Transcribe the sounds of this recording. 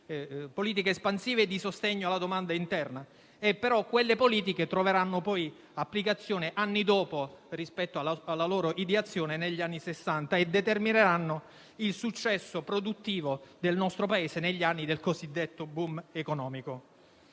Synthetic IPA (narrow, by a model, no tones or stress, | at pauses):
poliːt̪̬ikeːspansiːved̪isost̪eɲːoalːad̪omand̪aint̪ɛrna | epːeɾɔkːwelːepoliːt̪̬iket̪ɾoveɾanːopɔj | apːlikat̪sːjoːneʔanːid̪ɔːporispɛt̪ːoaalːaloːɾoʔid̪eat̪sːjoːneneʎːianːisesːant̪aed̪et̪ermineɾanːo | ilsut͡ʃːɛsːopɾod̪ut̪ːiːvod̪elnɔst̪ɾopaeːseneʎːianːid̪elkozid̪ːet̪ːobumekonɔːmiko